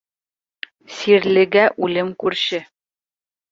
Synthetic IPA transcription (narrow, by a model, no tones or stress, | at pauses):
siɾlɘ̆ɡæʔʉlɘmkʉɾɕɘ